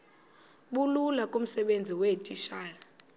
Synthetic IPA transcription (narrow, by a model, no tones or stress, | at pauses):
ɓululakʼum̩sɛɓend͡zʱiwetʼiʃaːra